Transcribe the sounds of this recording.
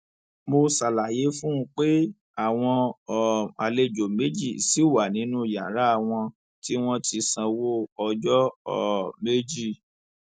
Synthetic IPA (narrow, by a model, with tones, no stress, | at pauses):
mo˧sa˨la˨je˨˦fũ˦˧˦k͡pe˦ | a˦˨w̃ɔ̃˧ɔ˨a˨le˧d͡ʒo˨me˦d͡ʒi˦˨si˨˦wa˨nĩ˨˦nũ˦˨ja̰˨ɾa˦˨w̃ɔ̃˧ | ti˦w̃ɔ̃˦ti˧sã˧wo˦ɔ˧d͡ʒɔ˦ɔ˦˨me˦d͡ʒi˦˨